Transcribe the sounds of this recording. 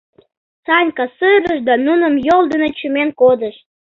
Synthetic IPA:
sɑnʲkɑsɨɾəʃd̪ɑnunəmjold̪ənət͡ɕumenkod̪əʃ

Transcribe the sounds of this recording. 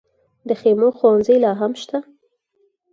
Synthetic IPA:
d̪əxemoxowanzəjlɑɦamʃt̪a

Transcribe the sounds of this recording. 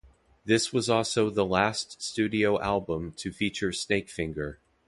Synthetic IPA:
ðɪswʌzɔlˠsoʊðəlæststʉɾioʊʔælˠbə̃mtʰɨfit͡ʃə˞sneɪkfɪ̃ŋɡə˞

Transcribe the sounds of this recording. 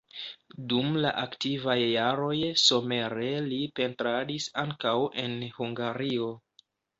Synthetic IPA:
dumla̰ʔaktivajːaɾo̞jso̞me̞ɾe̞lipe̞ntɾadisaŋkawʔe̞nhuŋɡaɾio̞

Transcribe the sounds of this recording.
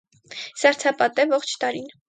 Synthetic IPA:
sɑɾt͡sʰɑpɑt̪ɛvɔχt͡ʃʰt̪ɑɾin

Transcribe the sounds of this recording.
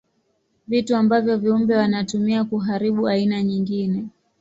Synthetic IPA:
vituambavjɔviumbɛwanatumiakuɦaɾiɓuainaɲiŋɡinɛ

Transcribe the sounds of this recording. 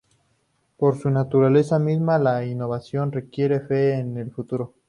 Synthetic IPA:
po̞ɾsunat̪uɾale̞samizmalainoβasjo̞nre̞kje̞ɾe̞feːne̞lfut̪uɾo

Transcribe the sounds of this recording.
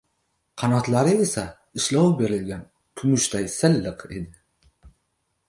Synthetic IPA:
qʰɑnɒt̪laɾɪe̞sa | ɪʃlɒwbe̞ɾɪlɡʲan | p̪ʰʊmʊʃt̪ajsɪlːɨqʰe̞̰d̪ɪ

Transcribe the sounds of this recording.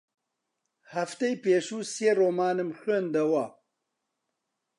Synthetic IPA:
hɐft̪ejpeːʃuːseːroːmaːnɨmxeːnd̪ɐwɐ

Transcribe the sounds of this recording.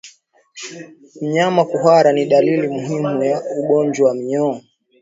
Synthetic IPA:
m̩ɲamakuɦwaɾaniɗalilimuɦimujauɠɔnd͡ʒwawam̩ɲɔː

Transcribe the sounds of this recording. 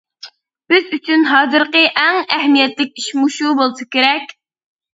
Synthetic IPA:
b̥ɪzyt͡ʃʰynɦɑːzɨɾqəʔæŋæɦmijɛt̪lɪk̚ʲiʃmuʃubolˠɨsɨkʲeɾɛkʲ

